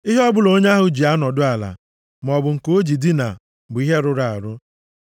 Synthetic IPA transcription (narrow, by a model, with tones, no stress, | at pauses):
i˦ɦe˦ɔ˦bʊ˨lo˦ɲ˦a˦ɦʊ˦d͡ʒi˨a˦nɔ˨dʊ˦a˨la̰˨ | m˨ɔ˨bʊ˨ŋ̩˨ko˦d͡ʒi˨di˦na̰˨ | bʊ˨˦i˦ɦe˦ɾʊ˦ɾa˨a̰˨ɾʊ˦